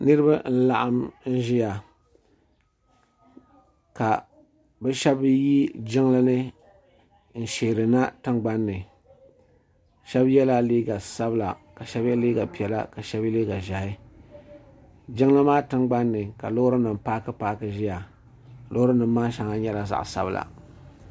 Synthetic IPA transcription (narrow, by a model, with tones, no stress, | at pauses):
nɨ˦ɾɨ˦ba˦n̩˦la˨ʔa˦mn̩˦ʒɪ˦ja˨ | ka˨ | bɛ˦ʃɛ˦bji˦d͡ʒɪ˦ŋlɨ˦nɨ˦ | n̩˨ʃeː˨ɾɨ˨na˦tɨ˦ŋɡ͡ba˦nːɨ˨ | ʃɛ˦bjɛ˦la˦liː˦ɡa˨sa˦bla̰˨ka˨ʃɛ˦bjɛ˦liː˦ɡa˨pi˨ɛ˨la̰˦ka˨ʃɛ˦bi˦liː˦ɡa˨ʒa˨hɪ˦ | d͡ʒɪ˦ŋla˦maː˦tɨ˦ŋɡ͡ba˦nːɨ˨ka˨lo˦hʊ˦ɾɨ˦nɨ˨m˨paː˦kɨ˦paː˦kɨ˨ʒɪ˦ja˨ | lo˦hɨ˦nɨ˨mː˦aː˦ʃa˨ŋa˦ɲɛ˦la˨za̰˨ʔsa̰˦bla̰˨